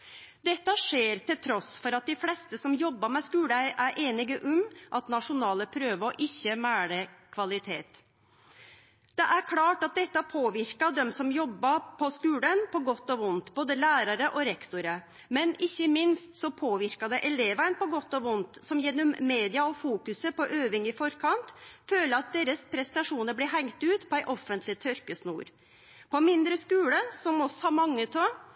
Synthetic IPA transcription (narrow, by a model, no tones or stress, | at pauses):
d̪ɛt̪ːɑʂeːɾt̪ʰɪlt̪ʰɾɔsfɔɾɑt̪̚d̪ɪflɛst̪əsɔmjɔbːɑmɛskʉːləæɪʔæɾʔeːnɪɡəʔʊmʔɑt̪nɑʂʊnɑːləpʰɾøːʋəɔʔɪçːəmæːɽəkʰʋɑlɪt̪ʰeːt̪ | d̪ɛʔæɾkʰlɑːʈɑt̪̚d̪ɛt̪ːɑpʰoːʋɪɾkɑd̪ɛmsɔmjɔbːɑpʰɔskʉːlənpʰɔɡɔt̪ːɔʋʊnt̪boːd̪əlæːɾɑɾəʔɔɾɛkt̪ʊɾə | mɛnɪçːəmɪnst̪sɔpʰoːʋɪɾkɑd̪əʔɛleːʋæɾnpɔɡɔt̪ːɔʋʊnt̪sɔmjɛnːɔmːeːd̪ɪɑɔfuːkʉsəpɔʔøːʋɪŋɪfɔɾkʰɑnt̪føːləɾɑt̪̚d̪eːɾəspʰɾɛst̪ɑʂuːnəɾblɛɦæŋt̪ʉːt̪pʰɔæɪʔɔfːənt̪lɪt̪ʰœɾkəsnṵːɾ | pʰɔmɪnd̪ɾəskʉːləsɔmɔsːɔhɑmɑŋːət̪ʰɔ